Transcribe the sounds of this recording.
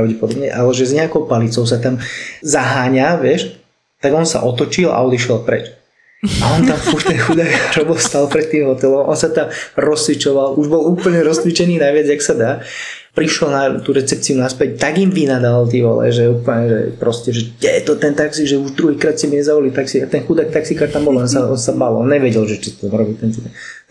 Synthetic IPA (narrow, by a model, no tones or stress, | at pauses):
ɾaʊɟɛpɔd̪ɔbɲɛ̰ʔalɛʒɛzɲɛakɔʊpalit͡sɔʊs̬at̪amzaɦaːɲaʋɪɛʃ | t̪aɡɔnsa̰ʔɔt̪ɔt͡ʃila̰ɔd̪iʃɛlˠpɾɛ̰t͡ʃ | aɔnt̪amfuɾt̪ɛnxud̪ajaɾɔbɔlst̪alpɾɛt̪̚ːiːmɦɔt̪ɛlɔmʔɔnsat̪amɾɔst͡sʋit͡ʃɔʋaluʒbɔluːpl̩ɲɛɾɔst͡sʋit͡ʃɛniːnajʋɪad͡zjaksad̪aː | pɾiʃɔlnat̪uɾɛt͡sɛp̚t͡siunaspɛc̚t̪aɡimʋinad̪alt̪ɛʋɔ̰lɛ̰ʒɛuːpl̩ɲɛʒɛ̰pɾɔscɛʒɛdɛt̪ɔt̪ɛnt̪aksiʒɛuʒd̪ɾuɦiːkɾaːt̪simiɲɛzaʋɔlit̪aksiat̪ɛnxud̪ak̚t̪aksikaːɾt̪ambɔlɛnsaɔnsabalɔnɲɛʋɛɟɛlʒɛt͡ʃit̪amɾɔbit̪ɛnt̪it̪a